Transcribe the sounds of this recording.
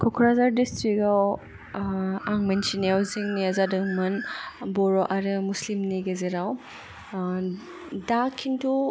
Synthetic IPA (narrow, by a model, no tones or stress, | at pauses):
kʰɔkʰɾazaɾdistɾikaw | aŋmensineawziŋniazadɯŋmɯnbɔɾɔʔaɾɯmuslimniɡɐzeɾaw | dakʰintʰu